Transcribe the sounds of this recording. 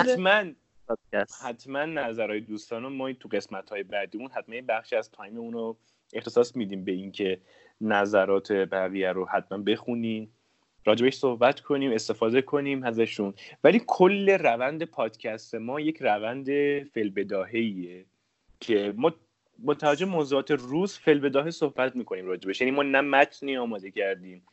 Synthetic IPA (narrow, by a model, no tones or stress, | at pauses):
hæt̪mæn | hæt̪ʰmænːæzæɾɒːjed̪uːst̪ɒːnomɒːt̪ʰuɣe̞smæt̪hɒːje̞bæd̪iːmunɦæt̪mænbæχʃiæz̥t̪ʰɒːjmeuːno | e̞xt̪e̞sɒːsmid̪iːmbeiŋcʰe̞ | næzæɾɒːt̪ʰe̞bæɣiːjæɾohæt̪mænbe̞xuniː | ɾɒːd͡ʒe̞be̞ʃso̞hbæt̪kʰo̞niːme̞st̪e̞fɒːd̪e̞kʰo̞niːmhæzæʃunvæliːkʰo̞lːe̞ɾævænd̪e̞pʰɒːd̪̥cʰæst̪e̞mɒːje̞cʰrævænd̪e̞felbe̞d̪ɒːɦeiːe | cʰe̞mɒː | bot̪ʰævæd͡ʒːo̞bemoːzuɒːt̪ʰe̞ruːzfelbe̞d̪ɒːɦesohbæt̪miːkʰoniːmɾɒːd͡ʒe̞beʃjæniːmɒːnæmæt̪ʰniːɒːmɒːd̪e̞cʰæɾd̪iːm